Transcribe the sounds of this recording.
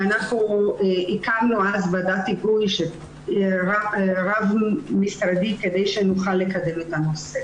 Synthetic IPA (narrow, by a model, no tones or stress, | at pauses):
anaχnuikamnuazbad̪at̪iɡujʃe | ʁaʁavmisɾad̪iked̪ejʃenuχalːekad̪emet̪anose